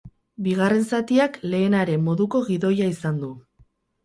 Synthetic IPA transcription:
biɣ̞are̞nsat̪iakle̞ːnaɾe̞mːo̞ðuko̞ɣiðo̞jaisand̪u

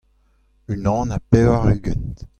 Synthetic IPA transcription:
ynɑ̃ːnapɛaʁyɡɛnt

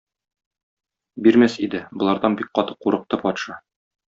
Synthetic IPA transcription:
biɾmæsid̪ɘbŏlˠɑɾd̪ɑnbik̚qɒt̪ɤ̥qːuɾɤ̆q̚t̪ɤpɒt̪ʃɑ

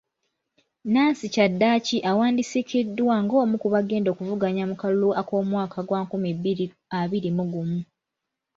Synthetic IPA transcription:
naːnsicadːaːciʔawaːndisikidːwaŋɡo̞ːmukuβaɡe̞ːndo̞ːkuvuɡaɲamukaluluako̞ːmwaːkʰaɡwakumibiɾi | aβiɾimuɡumu

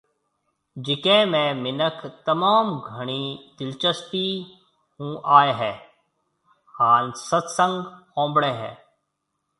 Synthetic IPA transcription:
d͡ʒɪkẽːmẽːmɪnəkʰt̪ɐmaːmɡʱəɳ̃iːd̪ɪlt͡ʃəst̪iː | ɦũːʔaːeɦɛː | haːnsət̪sə̃ŋɡkõːmbɽeːɦɛ̰ː

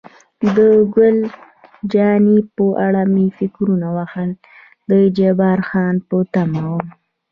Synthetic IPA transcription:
d̪əɡʊl | d͡ʒɑnipəʔaɽamifɪkɾunawaxəl | d̪əd͡ʒabɑɾxɑnpət̪amawəm

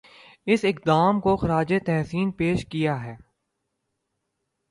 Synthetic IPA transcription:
ɪsɪkd̪aːmkoxɐɾaːd͡ʒet̪ɛɦsiːnpeːʃkijaɦɛː

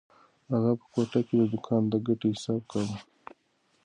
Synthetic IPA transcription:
aɣapə̥koʈaked̪əd̪ʊkʰand̪aɡaʈehɪsaːb̚kaɾi

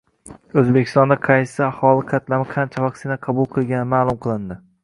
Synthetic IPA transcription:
ɵzbekʲʰɪ̥st̪ɒnd̪aqʰɑjsɪahɒlˠɪqʰɑt̪lamɪqʰɑnt͡ʃʰavɑksɪnaqʰɑbʊlˠqʰɨlˠɡʲanɪmaːlˠʊmqʰɨlˠɪnd̪ɪ

